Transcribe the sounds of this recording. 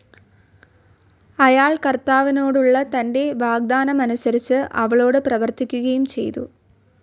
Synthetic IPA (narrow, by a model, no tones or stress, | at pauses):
ɐjaːɭkɐrt̪aːʋino̞ːɽuɭːɐt̪ɐnde̞ʋaːɡ̚d̪aːnɐmɐnusɐɾit͡ɕːɨʔɐʋɐɭo̞ːɽɨprɐʋɐrt̪ikʲːuɣɐjumt͡ɕe̞̰jt̪ṵ